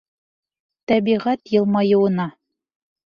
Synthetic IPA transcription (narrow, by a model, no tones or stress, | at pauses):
t̪æbiʁæt̪jɤ̆lˠmɑjɤ̆wɤ̆nɑ